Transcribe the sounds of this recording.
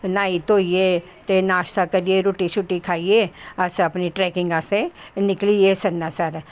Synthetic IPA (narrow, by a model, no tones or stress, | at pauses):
naːit̪oːieː | t̪enaːʃt̪akəɾieːɾoːʈit͡ʃʰʊʈːikʰaːieːəsəpniʈɾɛːkɪ̃ŋɡasenɪklieːsənːaːsəɾ